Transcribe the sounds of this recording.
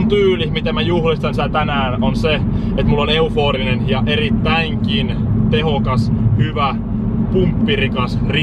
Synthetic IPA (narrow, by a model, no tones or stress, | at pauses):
nt̪yːlimit̪æmæjuhlist̪ɑnsit̪æt̪ænæːnonse | et̪mulːoneufoːrinenjɑʔerit̪ːæiŋkin | t̪ehokɑshyʋæ | pumpːirikɑsri